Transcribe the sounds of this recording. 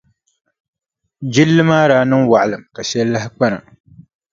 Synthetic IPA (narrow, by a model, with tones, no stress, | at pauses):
d͡ʒɪ˦lːɨ˦maː˦ɾaː˨˦nɨ˦ŋwa˨ʔlɨ˨mka˨ʃɛ˦lːa˦ɦɪ˦k͡pa˦na̰˨